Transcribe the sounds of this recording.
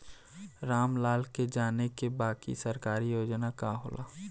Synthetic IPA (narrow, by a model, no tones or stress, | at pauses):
ɾaːmlaːlked͡ʒaːnekebaːkḭsɐɾkaːɾijoːd͡ʒnakaɦo̰ːlʔa̰ː